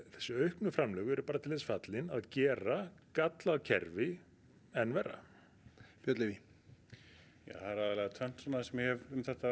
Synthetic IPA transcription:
θɛ̥sːʏœɥhknʏfɾamlœːɣʏɛɾʏpaːɾat̪ʰɪlθɛsfat̪lɪnaðcɛːɾakat̪lacʰɛ̰ɾvɪ | ɛnvɛrːa̰ | pjœt̪lɪvi | ja̰ːθaɾaðaɾlɛɣat̪ʰœn̥t̪sanasɛmjhɛvʏmθɛht̪a

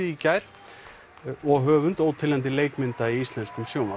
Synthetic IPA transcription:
ɪicajɾ | ɔɣɦœːvʏnt̪oːwt̪ʰɪlɛnt̪ɪleːjk̪mɪnt̪aiist̪lɛnskʏmsjowŋna

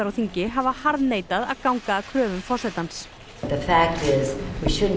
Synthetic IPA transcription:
aɾaθiɲcɪɦavahaɾðneːjt̪aða̰ðkawŋkakʰɾœːvʏmfɔr̥sɛt̪ans | ðəfæk̚tɪzwiʃʊdn̩

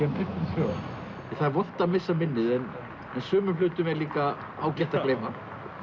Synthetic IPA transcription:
ɛmt̪ɪt̪ɪsœɣ | ɛθaðɾvɔht̪amɪsːamɪnːɪðɛn | ɛnsœːmʏlʏːt̪ʏmɛɾliːka | a̰ːwcɛht̪akleːjma

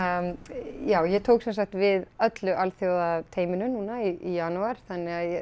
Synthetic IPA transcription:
jaːwjɛt̪ʰoːwksɛnsakt̪vɪðœt̪lʏʔalθjoːwðat̪ʰeːjmɪnʏnuːnaiijanuaɾ̥θanːɪɣaðjɛ

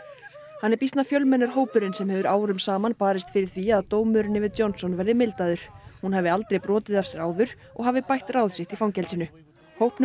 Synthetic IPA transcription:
hanːɛɾpist̪nafjœlmɛnʏɾ̥ɦoːwpʏɾɪnsɛmhɛvʏɾaːwɾʏmsaːmanpaːɾɪst̪fɪɾɪɾ̥θviaðt̪oːwmʏɾnɪvɪjɔnsɔnvɛɾðɪmɪlt̪aðʏɾ̥hunɦhavɪal̪t̪ɾejpɾɔːt̪ɪðafsɛɾaːwðʏɾ̥ | ɔ̰ɣɦavɪpajht̪raːwðsɪht̪ifawncɛlsɪnʏ | howhpn

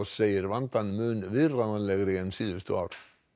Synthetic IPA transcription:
sɛjəɾvant̪anmœːnvɪranalɛɣɾɪɛnsiːðɪst̪ʏ̰aɾ

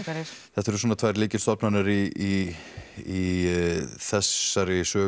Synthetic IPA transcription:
ɾθɛht̪ːɛɾʏs̬ɔnat̪ʰvajɾliːcɪ̥st̪ɔpnanaɾii | i | θɛsːaɾɪsœː

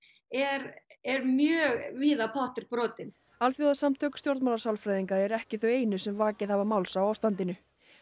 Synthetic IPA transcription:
ɛɾɛɾmjœːɣviːðapʰɔht̪ɪɾpɾɔːt̪ɪn | alθjuwaðsamt̪ʰœːkʏ̥t̪jowɾt̪malasawlfɾajðiŋkaɛɾɛhcɪθœɥeːjnʏsɛmvaːcɪðhavamawlsawaːwst̪ant̪ɪnʏ

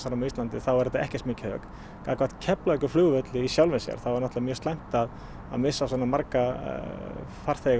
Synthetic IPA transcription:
saɾamist̪lant̪ɪθawɛɾɛt̪aɛhcɪst̪mɪːcɪhœ̰ːk̪ | kaːkʰvaht̪cʰɛplaœkʏflʏːɣvœt̪lɪisjawlvɪsɛ̰ɣa̰ɾ̰θawvaɾnɔht̪avamjœːst̪ajm̥t̪að | a̰ðmɪsːas̬ɔːnːamaɾka | far̥θejɣ

